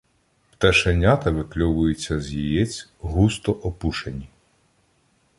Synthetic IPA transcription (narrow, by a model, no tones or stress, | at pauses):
pt̪ɛʃenʲːat̪ɐʋɪklʲɔʋʊjʊt͡sʲːɐzʲjijɛt͡sʲɦust̪ɔʔɔpuʃenʲi